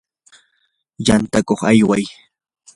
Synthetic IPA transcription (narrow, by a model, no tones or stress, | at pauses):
jant̪akoχajwaj